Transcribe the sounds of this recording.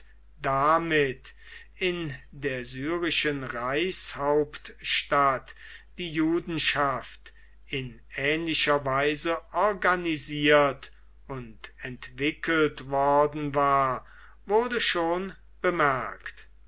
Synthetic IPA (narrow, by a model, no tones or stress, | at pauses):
d̥amɪt | ɪndeːɐzyːʁɪʃənʁaɪshaʊpt̪ʃtatd̥iːjuːdn̩ʃaft | ɪn | ɛːnlɪʃɐvaɪzəʔɔɐɡaniziːɐt | ʊntɛntv̥ɪkʰəltvɔɐdn̩vaːɐ | vʊɐdəʃoːn | b̥əmɛɐkt